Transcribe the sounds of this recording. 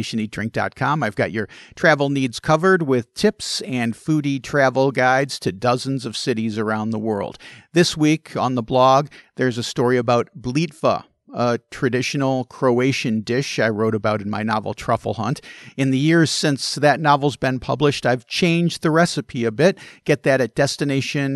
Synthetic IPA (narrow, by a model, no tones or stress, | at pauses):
ʃɨ̃nidɹɪ̃ŋk̚d̥ɑ̰t̚kʰɑ̃maɪvɡɑ̰t͡ʃə˞tʰɹ̥ævl̩ˠnidz̥kʰʌvə˞d̚wɪð̥tʰɪpsɨ̃nfʉɾitʰɹ̥ævl̩ˠɡaɪdz̥tʰɨdʌzɨn̩zʌv̥sɪɾizə˞ãʊ̃nðəwɜ̰˞lˠd̪̚ðɪswikʰə̃nðəblɔɡ̚ðə˞zɨstɔɹiɨbaʊt̚b̥litfə̰ | ətʰɹ̥ɨdɪʃɨn̩l̩ˠkʰɹ̥oʊeɪʃɨ̃ndɪʃaɪɹoʊɾɨbaʊɾɨ̃n̩maɪnɑvl̩ˠtʰɹ̥ʌ̰fl̩ˠhʌ̰̃ntɨ̃nðɨjɪɹz̥sɪ̃nsðɨtⁿnɑvl̩ˠzbɨ̃npʰʌ̰blɨʃtaɪv̥t͡ʃʰẽɪ̃nd͡ʒðɨɹɛsɨpʰiɨbɪt̚ɡ̥ɛt̪̚ðɨɾɨt̚d̥ɛstɨneɪʃɨ̃n